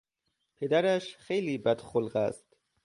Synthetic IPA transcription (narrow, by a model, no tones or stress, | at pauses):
pʰed̪æɾæʃxejliːbæd̪̥xolɢæ̰st̪